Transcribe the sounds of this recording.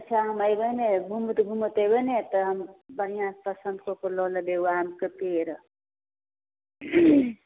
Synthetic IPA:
t͡ʃʰaɦəməjbənebʱumt̪bʱumət̪əjbənet̪əɦəmbənijãpəsənd̪̚kopəloləbeuamkəpeɾ

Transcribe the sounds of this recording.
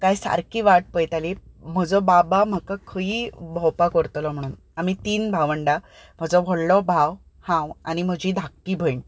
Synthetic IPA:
kajsa̰ɾkiːʋaʈ̚pəjt̪alim̤əd͡zɔbabam̤əkakʰəiːbʱɔwpakəɾt̪lɔm̤əɽ̃uːn | am̤it̪iːnbʱaʋəɳɖa | m̤əd͡zɔʋʱɔɽlɔbʱaw | hãwa̰ñim̤əd͡ʑʱiːd̪ʱakːiːbʱəjɳ

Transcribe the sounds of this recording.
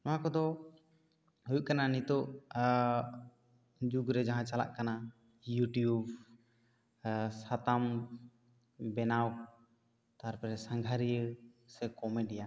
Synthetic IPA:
nɔãkɔd̪ɔ | ɦujuʔ̚kananit̪ɔʔ | d͡ʒuɡɾɛd͡ʒaɦãt͡ʃala̰ʔkana | juʈijub | sat̪am | bɛnaw | t̪aɾpaɾɛsaŋɡʱaɾijə | sɛkɔmɛɖija

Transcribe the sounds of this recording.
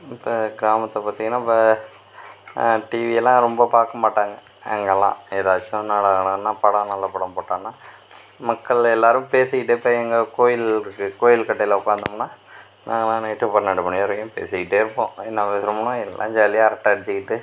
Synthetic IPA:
ɪpːɐɡɪɾaːmɐt̪ːɐpaːt̪ːiŋɐnːaːɪpːɐ | ʈiːʋiɛlːãːɾɔmbɐpaːɾkɐmaːʈːaːŋɡɐ | ɛ̰ŋɡɐɛlːã̰ːɛðaːt͡ʃːʊ̃naːlɐnɐnːãːpɐɽɐ̃nɐlːɐpɐɽɐmpoːʈːãːnːaː | mɐkːɐɭɛlːaːɾɯmpeːsɐɪʈːɯɪpːɐːɛŋɡɐkoːjɪlkɯkoːjɪlkɐʈːɐɪlɐʊkːaːnd̪ɐmɐnːaː | nʔaːŋɡɛlːãːneːʈːɯpɐɾnɐɽɯpɐɳɪjɐɾɐkːʊ̃mpḛːsɐɣɪʈːɯɪɾɯpːõ̰ːɛnːɐʋɐsɾɐmɐɳõːɛlʔãːd͡ʒaːlɪjaɐɾɐk̚ʈaːɽɪt͡ʃːɪkːɪʈːɯ

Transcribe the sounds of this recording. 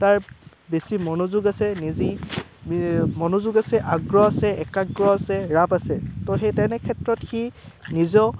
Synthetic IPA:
taɹ | besimɔnozuɡasɛnizi | mɔnozuɡasɛʔaɡɹɔasɛɛkaɡɹɔasɛɹapasɛtɔɦejtɛnɛkʰɛtɹɔtxinizɔ

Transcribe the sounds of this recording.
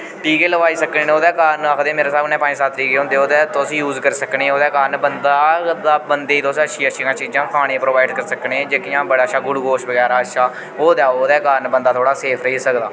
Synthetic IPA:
ʈiːkeːləʋaːiːsəkneːnoːd̪ɛːkaːɾnəkʰd̪eːmeːɾaːsaːbnɛ̃ːpaːĩːsaːt̪ʰɾiːɡeːõːnd̪eːoːd̪ɛːt̪oəsĩːjuːzkəɾsəkneːoːd̪ɛːkaːɾnbənd̪aːd̪aːbənd̪eːiːt̪oːsəʃʰiːəʃʰikãːt͡ʃiːd͡ʒãːkaːɽ̃ẽːpɾoːʋaːɪɖkəɾsəkneːɛ̃ːd͡ʒekijãːbəɽaːətːʃʰaːɡʊɽɡoːʃbəɡɛːɾaːətʃʰaː | oːd̪ɛːoːd̪ɛːkaːɾnbənd̪aːt̪ʰoːɽaːseːpʰɾəiːsəkd̪aː

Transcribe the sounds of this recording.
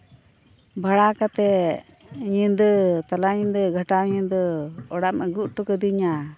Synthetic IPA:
bʱaɽakat̪ɛ | ɲind̪ət̪alaɲind̪əɡʱəʈawɲind̪əɔɽaʔmɛɡuʔ̚ʈukəd̪iɲa

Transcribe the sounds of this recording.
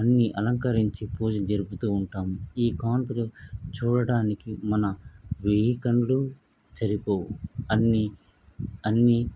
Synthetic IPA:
ɐnːiʔɐlɐŋkɐɾiɲt͡ʃipuːd͡ʒɐd͡ʒɐɾuput̪uːɳʈaːmiːkaːnt̪ulut͡ʃuːɽɐɽaːnikimɐnɐʋiɦikɐɳlu | t͡ʃɐɾipoːwuɐnːi | ɐnːi

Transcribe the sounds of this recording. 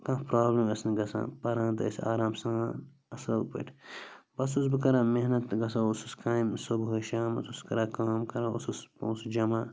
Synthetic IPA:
kãːpɾaːblɐmɐsniɡɐsã̰ːpɐɾãːnt̪ɐɐ̰sa̰ːɾaːmsãː | ɐslɐpɐ̰ʈʰbɐsus̬bɨkɐɾaːmeɦnɐt̪ɡɐs̬aususkaːmsobɦojʃaːmɐsuskɐɾaːkaːmkɐɾaːṵsusõsd͡ʒɐmaː

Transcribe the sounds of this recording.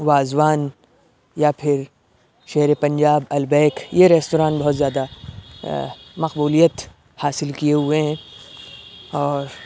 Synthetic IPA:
ʋaːzwaːn | japʰɪɾ | ʃɛɦɾepɐ̃ɲd͡ʒaːbɐlbɛːkjeɾɛːstoːɾãːnbɐɦt̪zjaːd̪a | mɐqbuːlijət̪ | haːsɪlkijeɦueɦɛ̃ː | ɔːɾ

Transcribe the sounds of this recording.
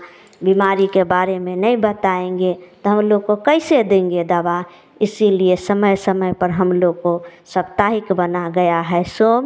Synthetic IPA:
bimaɾikebaɾemenəibət̪aẽŋɡet̪ɔɦəmloɡ̚kokəɪsed̪ẽŋɡed̪aba | ɪsiliesəməjsəməjpəɾɦəmloɡ̚kosəbt̪aɦikbənaɡəjaɦɛsom

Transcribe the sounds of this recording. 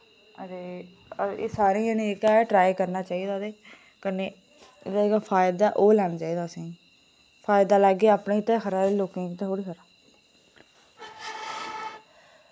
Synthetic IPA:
əd̪eː | ḛsaːɾiːaniːkaɛːʈɾaːjkəɾnaːt͡ʃaːiːd̪aːd̪eː | kəneː | ɪd̪aːeːkafʰaːjd̪aːʔoːlɛːnd͡ʒaːiːd̪aːsĩː | pʰaːjd̪aːlaːɡːeːaːpnẽːt̪ẽːkʰəɾaːɾeːloːkẽːkt̪ẽɦoːɽiːkʰəɾaː

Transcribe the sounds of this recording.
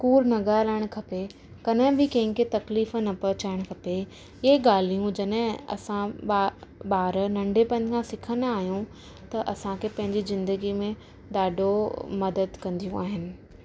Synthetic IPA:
kuːɾnɐɡaːlaːɪɽ̃kʰɐpe | kɐnɦɪ̃bɪkɐ̃ɦɪ̃ŋket̪ɐkliːfnɐpɐt͡ɕaːɪɽ̃kʰɐpe | ɪeɠaːl̤ijũd͡ʑɐɗɦɪ̃ɐ̰sã | ɓaːɾnɐ̃ɳɖʱepɐ̃ɪ̃nkʰãsɪkʰənaːɦijũ | t̪ɐʔɐsãkʰepɐ̃ɦɪ̃ɲd͡ʑizɪ̃nd̪əɡimẽ | ɗ̪aːɖomɐd̪əd̪kɐ̃nd̪ijũaːɦɪnɪ̆

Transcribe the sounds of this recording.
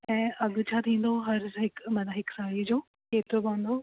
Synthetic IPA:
ɛ̃ːʔɐɡt͡ɕʰat̪ʰĩːn̆d̪oɦɐɾɦɪkmɐnaɦɪksaːid͡ʑoː | keːt̪ɾobãːnd̪o

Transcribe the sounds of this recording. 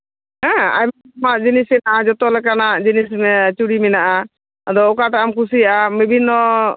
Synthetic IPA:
ɦɛ̃a̰jm | maʔd͡ʒinismɛnaʔad͡ʒɔt̪ɔlɛkanaʔd͡ʒinismɛt͡ʃuɽimɛnaʔa | ad̪ɔɔkaʈaʔamkus̬ijaʔabibʱinːɔ

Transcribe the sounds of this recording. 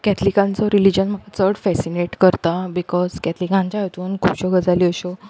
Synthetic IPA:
kɛt̪ʰlikãnt͡sɔɾilid͡ʑənm̤əɡʱat͡səɽfɛsineʈkəɾt̪abikɔzkɛt̪ʰlikãɲt͡ɕajet̪uːnkʰupɕɔɡəd͡zaliəɕɔ

